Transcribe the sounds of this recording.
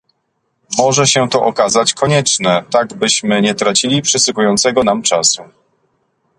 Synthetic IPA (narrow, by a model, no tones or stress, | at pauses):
mɔʐɛɕɛt̪ɔʔɔkazat͡ɕkʰɔɲɛt͡ʂnɛt̪aɡbɘɕmɘɲɛt̪ɾat͡ɕilʲipʂɘsukujɔnt̪sɛɡɔnamt͡ʂasu